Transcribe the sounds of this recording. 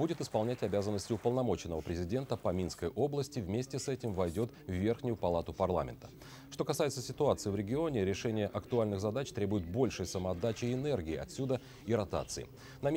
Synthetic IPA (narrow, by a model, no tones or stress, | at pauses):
budʲɪt̪ɪspɐlˠnʲætʲɐbʲazənːəsʲtʲɪʊpəlˠnɐmo̞t͡ɕɪnːəvəpɾʲɪzʲɪdʲe̞nt̪əpəmʲinskəjʔo̞blˠəsʲtʲɪvmʲesʲtʲɪsɛtʲɪmvɐjdʲo̞t̪vːʲe̞rxnʲʊjʊpɐlˠat̪ʊpɐrlˠa̰mʲɪ̰nt̪ə | ʂt̪o̞kɐsajɪt̪səsʲɪt̪ʊat̪sɨɪvɾʲɪɡʲɪo̞nʲɪɾʲɪʂɛnʲɪjəʔɐkt̪ʊalʲnɨxzɐd̪at͡ɕt̪ɾʲe̞bʊjɪt̪̚bo̞lʲʂəjsəməɐd̪at͡ɕɪɪnɛrɡʲɪːɐ̰t̪sʲud̪ə | ɪɾɐt̪a̰t̪sɨɪ̰ | nɐmʲ